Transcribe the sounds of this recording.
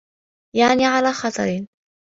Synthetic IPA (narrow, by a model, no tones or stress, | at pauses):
jaʕniʕalaːxɑt̪ˤɑ̰ɾɪn